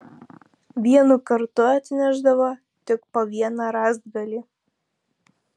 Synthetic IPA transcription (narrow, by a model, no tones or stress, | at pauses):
ʋʲiɛnukɐɾt̪ʊɑt̪ʲnʲæʒd̪ɐʋo | t̪ʲɪkpoʋʲiɛnɑɾɑzd̪̚ɡɐlʲi